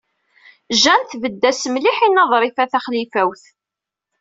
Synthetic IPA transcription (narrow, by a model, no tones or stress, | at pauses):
ʒænθvəd̪ːæsəmliħinːɑðˤɾˤifæθæχlifæwθ